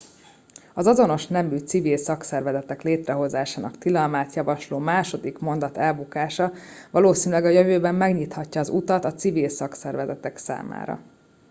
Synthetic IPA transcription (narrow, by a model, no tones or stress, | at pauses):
ɒzɒzo̞no̞ʃnɛmyt̪sivilsɒksɛrvɛzɛt̪ɛkleːt̪rɛɦo̞zaːʃaːnɒ̰kt̪ilɒlmaːt̪jɒvɒʃloːmaːʃo̞d̪ikmo̞n̪d̪ɒt̪ɛlbukaːʃɒvɒloːsiːnylɛɡɒjøvøːbɛmːɛɡɲit̪hɒcːɒːzut̪ɒt̪ɒt̪sivilsɒksɛrvɛzɛt̪ɛksa̰ːma̰ːɾɒ̰